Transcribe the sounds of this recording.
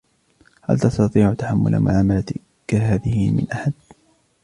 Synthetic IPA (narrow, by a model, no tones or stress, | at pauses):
ha̰lt̪ɑst̪ɑt̪ˤiːʕʊt̪aħamːʊ̰lʔa̰mʊ̰ʕaːmala | kaɦaːðɪhɪmɪ̰nʔaħad̪